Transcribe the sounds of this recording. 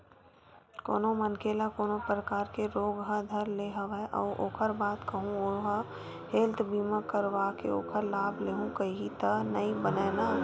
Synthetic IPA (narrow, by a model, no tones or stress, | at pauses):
ko̰ːnomənkeːlakoːnopɾəkaːɾkeɾoːɡɦəd̪ʱəɾleɦɐʋɛʔɔ̰ːɾʔoːkʰəɾbaːt̪kɐɦũoɦa | heːlt̪biːmakəɾʋakḛo̰ːkʰəɾlaːbʱleːɦũkəiɦit̪ənəibənɛːna